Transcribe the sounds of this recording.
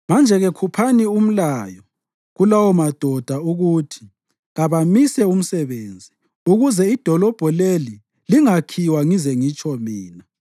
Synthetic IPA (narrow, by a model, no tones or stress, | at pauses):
mand͡ʒʱɛɣɛkʰupʰanium̩laːjɔ | ɣulawɔmad̥ʱɔd̥ʱauɣutʰi̥ | ɣaβamisɛum̩sɛβeːnd͡zʱi | uɣuzɛid̥ʱɔlɔb̥ʱɔleli | liŋakʰiwaŋizɛŋit͡ʃʰʼɔmiːna